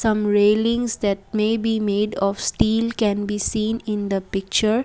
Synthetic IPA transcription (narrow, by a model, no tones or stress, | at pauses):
sʌ̃mɾeːlɪ̃ŋsd̪ɛʈ̚meːbiːmeːɖɔfsʈiːlkɛ̃nbiːsĩːnɪ̃nd̪əpɪk̚t͡ʃəɾ